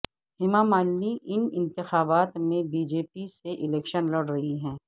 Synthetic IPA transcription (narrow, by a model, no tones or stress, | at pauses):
ɦɪmaːmaːlmiʔɪnɪ̃nt̪ɪxaːbaːt̪mẽbiːd͡ʒeːpiseʔɪlɛːkʃənlɐɽɾɐɦiɦɛ̃ː